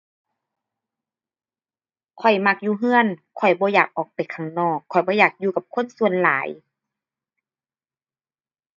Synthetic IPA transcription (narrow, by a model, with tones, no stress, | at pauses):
kʰɔ˨˩jma˧˩k̚juː˧ɦɯ˧˥ənkʰɔ˨˩jbɔː˧˦jaː˨˩k̚ʔɔː˨˩k̚pa˨jkʰa˨˧˩ŋnɔː˧˩kʰːɔ˨˩jbɔː˧˦jaː˨˩k̚juː˧ka˧˩p̚kʰo˧˥˨nsu˧˨ə˨nlaː˨˦j